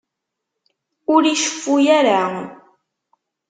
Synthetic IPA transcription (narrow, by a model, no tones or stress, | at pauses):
ʊɾiʃə̥fːujæɾa